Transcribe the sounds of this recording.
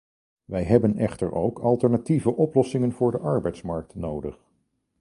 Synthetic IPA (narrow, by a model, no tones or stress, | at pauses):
ʋɛjɦɛbənɛχtə̰ɹʔowkɑlˠtəɹnativəʔɔplɔsɪŋənvʊːɹdəʔɑɹbɛjtsmɑɹk̚tnowdəχ